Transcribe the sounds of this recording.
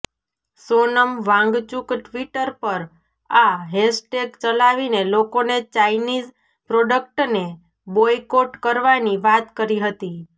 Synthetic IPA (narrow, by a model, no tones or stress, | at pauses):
sonəmʋãŋɡt͡ʃukʈʋiʈəɾpəɾ | aɦesʈekt͡ʃəlaʋinelokonet͡ʃainid͡ʒ | pɾoɖək̚ʈne | bojkoʈkəɾʋaniʋat̪kəɾiɦət̪i